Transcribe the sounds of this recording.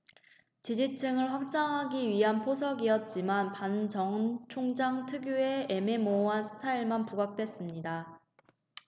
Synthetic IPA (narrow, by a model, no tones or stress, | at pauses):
t͡ɕid͡ʑit͡ɕʰɯŋɯɭɸwak̚t͡ɕ͈aŋɦaɡiɥiɦanpʰosʰʌɡiʌt̚t͡ɕ͈imanpant͡ɕʌŋt͡ɕʰoŋd͡ʑaŋtʰɯɡjue̞ememoasʰɯ̥tʰaiɭmanpuɡak̚t͈we̞s͈ɯmɲida